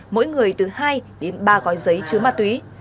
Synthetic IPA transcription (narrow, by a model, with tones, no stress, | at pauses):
mo̰˧˥jŋɨ˨˩əjt̪ɨ˨˩haː˧jɗe˨˦nɓaː˧ɣɔ˨˦jzə˨˦jt͡ɕɨ˨˦əmaː˧˩t̪wi˨˦